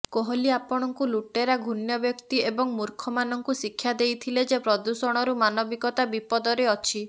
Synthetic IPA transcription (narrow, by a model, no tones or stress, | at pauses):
koɦɔliapɔɽ̃ɔŋkuluʈeɾaɡʱunjɔbjɔkt̪iebɔŋmuɾkʰɔmanɔŋkusikʰːjad̪ejt̪ʰiled͡ʒepɾɔd̪usɔɽ̃ɔɾumanɔbikɔt̪abipɔd̪ɔɾeɔt͡ʃʰi